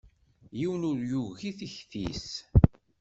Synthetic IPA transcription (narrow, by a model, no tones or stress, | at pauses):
jiwənʊɾjuɣiθiçθḭs